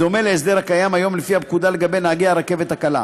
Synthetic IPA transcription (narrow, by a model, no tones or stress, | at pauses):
omeleːs̬d̪e̞ʁhakajamajo̞mlefiab̚kud̪aleɡabe̞jnaːɡiaʁake̞vet̪hakala̰